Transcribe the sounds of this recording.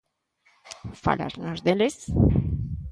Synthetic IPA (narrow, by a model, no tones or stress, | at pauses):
fa̰la̰ɾnaɾd̪eles